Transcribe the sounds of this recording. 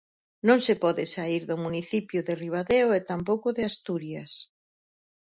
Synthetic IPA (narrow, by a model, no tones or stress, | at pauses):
nõŋsepɔðɪsaiɾðʊmuniθipjʊðeriβ̞aðeoet̪ampowkʊðɪast̪uɾjas